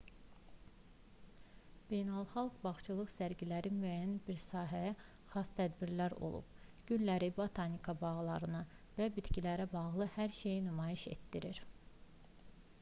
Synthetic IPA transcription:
b̥e̞jnælˠχɑlˠɡbɑχt͡ʃʰɯlˠɯχsæɾɟilæɾimyæjænbiɾsɑːɦæjæ | χɑst̪ʰæd̪biɾlæɾo̞̰lˠṵb̥ɟ̥ynlæɾibot̪ʰɑnikʰɑbɑɣlˠɑɾɯnɯ | væbit̪cilæɾæbɑʁlˠɯhæɾʃe̞jinymɑjiʃe̞̰t̪d̪iɾiɾ

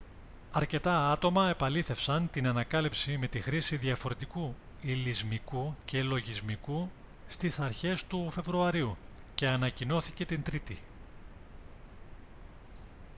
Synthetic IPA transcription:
ɐɾce̞t̪ɐɐt̪o̞mɐe̞pɐliθe̞fsɐnt̪inɐnɐkɐlipsime̞t̪ixɾisiðiɐfo̞ɾe̞t̪iku | ilizmikuce̞lo̞ʝizmiku | st̪isɐɾçe̞st̪ufe̞vɾuɐɾiuce̞ɐnɐcino̞θice̞t̪int̪ɾit̪i

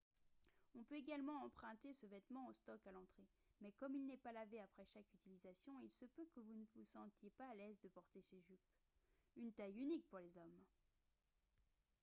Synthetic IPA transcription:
ɔ̃pøeɡalmɑ̃ɑ̃pχɛ̃t̪esəvɛt̪mɑ̃ost̪ɔkalɑ̃t̪χe | mɛkɔmilnɛpalaveapχɛʃakyt̪ilizasjɔ̃ilsəpøkəvunəvusɑ̃t̪jepaːlɛzd̪əpɔʁt̪eseʒyp | ynt̪ajynik̚puʁlezɔm

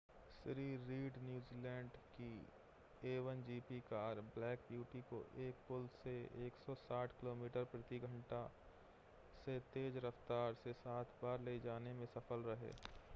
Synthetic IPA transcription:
sɾiːɾːiːɖnjuːziːlɛ̃ːɳɖki | eːʋənd͡ʒiːpikaːɾblɛːkbjuːʈiko̰ʔeːk̚pʊlseeːksɔsaːʈʰkɪloːmiːʈəɾpɾət̪iɡʱə̃ɳʈa | set̪eːd͡ʒɾɐft̪aːɾsesaːt̪ʰbaːɾleːd͡ʒaːnemẽsɐfəlɾɐɦḛː

